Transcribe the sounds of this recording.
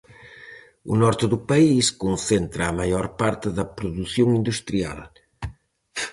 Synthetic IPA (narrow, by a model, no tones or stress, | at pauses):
ṵnɔɾt̪ɪðupɐiskonθent̪ɾɐːmajɔɾpaɾt̪ɪðɐpɾuðuθjoŋind̪ust̪ɾia̰l